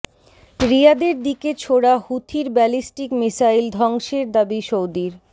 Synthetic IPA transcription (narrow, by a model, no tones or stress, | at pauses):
ɾiad̪eɾd̪iket͡ɕʰoɽahut̪ʰiɾbɛlisʈikmisaild̪ʱɔŋʃeɾd̪abiʃowd̪iɾ